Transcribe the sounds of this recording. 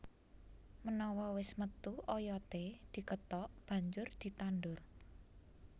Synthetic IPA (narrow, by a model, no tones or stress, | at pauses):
mənɔwɔwɪsmət̪uʔɔjɔt̪ed̪̥i̤kət̪ɔʔb̥ä̤ɲd͡ʒʊrd̪̥i̤t̪anɖʊr